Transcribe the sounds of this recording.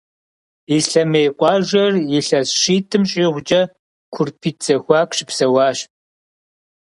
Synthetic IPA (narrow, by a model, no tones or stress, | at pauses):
ɪɬɐmeːqʷʼɑːʒɐrjɪɬɐsʃiːtʰɨmɕʼiːʁʷʊd͡ʒʼɐ | kʷʰʊrpʰiːtt͡sɐxʷɑːkʷʰʼɕɪpsɐwɑːɕ